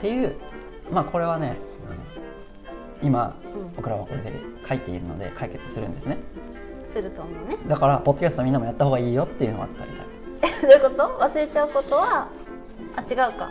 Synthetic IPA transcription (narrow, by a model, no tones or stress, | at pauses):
t̪e̞jɯ̟ː | maːkʰo̞ɾe̞β̞ane̞ | ɯ̃ | ima̰ | ɯ̃bo̞kɯ̟ɾaβako̞ɾe̞d̪e̞̰kʰait̪ːe̞ḭɾɯ̟̰no̞̰d̪e̞̰kʰaike̞t͡sɨ̥sɨɾɯ̟̃nd̪e̞sɨne̞ | sɨɾɯ̟t̪omo̞ːned̪akaɾapo̞d̪ːoast̪omʲĩnːamojat̪ːaho̞ːɡaiːjo̞t̪ːe̞jɯ̟noa̰t͡sɨ̥t̪a̰ɾʲit̪a̰i | d̪ojɯko̞t̪o̞βasɨɾe̞t͡ɕaɯ̟ko̞t̪o̞βa | at͡ɕiɡaɯ̟ka̰